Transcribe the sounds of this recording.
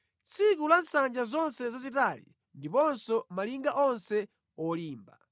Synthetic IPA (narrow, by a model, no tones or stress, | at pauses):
t͡sʰik̬ulansand͡ʒazɔnsɛzazitalḭ | ndipɔnsɔmaliŋɡaʔɔnsɛ | ɔliːmba